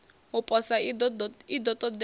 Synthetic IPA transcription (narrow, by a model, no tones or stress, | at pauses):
upʼɔsa | id̪ɔt̪ʼɔd̪